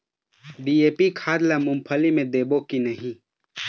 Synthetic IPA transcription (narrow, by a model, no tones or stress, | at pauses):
ɖieːpikʰaːd̪lamʊmpʰəlimẽd̪eːbokinəɦĩ